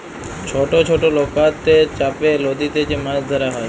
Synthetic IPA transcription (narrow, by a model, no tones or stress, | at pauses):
t͡ʃʰoʈot͡ʃʰoʈolokat̪ːet͡ʃapelod̪it̪et͡ʃemãsd̪ʱəɾaɦɔ